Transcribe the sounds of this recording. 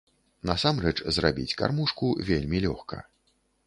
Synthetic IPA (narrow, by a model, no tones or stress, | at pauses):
nɐsamrɛt͡ʂzrabʲḭt͡sʲka̰rmuʂkuvʲelʲmʲilʲɔ̰xkɐ̰